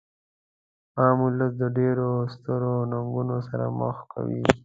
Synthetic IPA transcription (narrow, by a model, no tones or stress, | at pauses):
ɑːmuləs̬d̪əɖeɾost̪əɾonaŋɡunosaɾa̰mə̰xkʰa̰wi